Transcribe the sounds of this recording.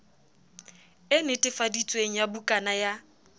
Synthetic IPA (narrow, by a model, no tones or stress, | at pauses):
ɪnɪtʼɪfadit͡sʼweŋ̩jabukʼanaja